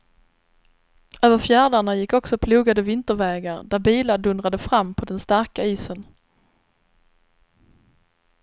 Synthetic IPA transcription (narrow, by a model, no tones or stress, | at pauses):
øːvəɾfjæːɖaɳajɪkːɔksɔpʰluːɡad̪əvɪnt̪əɾvɛːɡaɾd̪æɾbiːlaɖɵnɾad̪əfɾamːpʰɔd̪ɛnst̪aɾkaiːsən